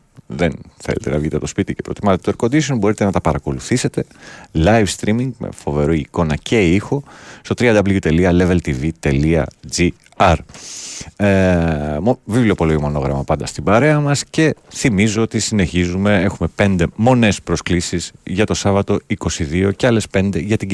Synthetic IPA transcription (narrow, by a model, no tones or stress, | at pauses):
ðenθele̞t̪e̞nɐvʝit̪eɐt̪ospit̪ice̞pɾo̞̰t̪imɐset̪et̪eɾko̞d̪isio̞nbo̞ɾit̪e̞nɐt̪ɐpɐɾɐko̞luθise̞t̪e̞lɐjfst̪ɾimiŋɡmḛfo̞ve̞ɾoiiko̞nɐcʰe̞ixo̞st̪o̞t̪ɾiɐnd̪ɐblijut̪e̞liɐle̞velt̪ivit̪e̞liɐ̰d͡zi | ɐɾ | mvivlio̞po̞loimo̞no̞ɣɾɐ̰mɐpɐnd̪ɐst̪ibɐɾe̞ɐmɐsce̞θimizo̞ot̪isine̞çizume̞e̞xumepe̞nd̪e̞mo̞ne̞spɾo̞sklisiz̥ʝɐt̪o̞sɐvɐt̪o̞iko̞siðio̞ceɐle̞spe̞nd̪e̞ʝɐt̪i